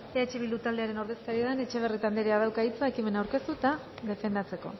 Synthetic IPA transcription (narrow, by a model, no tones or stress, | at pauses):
eet͡ʃeβilut̪ald̪eaɾe̞no̞ɾðe̞skaɾieðane̞t͡ʃe̞β̞erit̪and̪eɾeað̞awkait͡sae̞kime̞nawɾke̞st̪ut̪a | ðe̞fe̞nd̪at͡se̞ko̞̰